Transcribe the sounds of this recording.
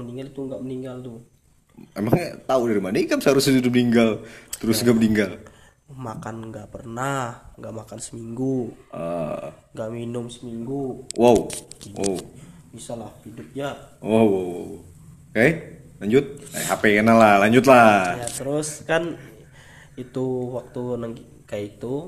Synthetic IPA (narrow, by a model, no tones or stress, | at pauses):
məniŋɡalit̪uŋɡaʔməniŋɡalt̪u | emaŋt̪audaɾimanaikamsaɾʊsit̪idʊp̚niŋɡalt̪əɾʊsŋɡaʔməniŋɡal | makanŋɡaʔpərnahŋɡaʔmakansə̥miŋɡuəŋɡaʔminʊmsəmiŋɡuwʔawwa̰w | misalahhidʊp̚jawawawaw | kajlaɲd͡ʒʊt̪̚a̰jɦapekənalahlaɲd͡ʒʊt̪̬lajat̪əɾʊskan | it̪uwak̚t̪unəŋi | kajit̪u